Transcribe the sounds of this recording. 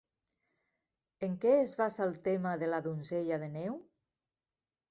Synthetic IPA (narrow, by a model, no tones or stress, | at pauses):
eŋkɛezβasalˠt̪emaðelaðunzeʎaðenew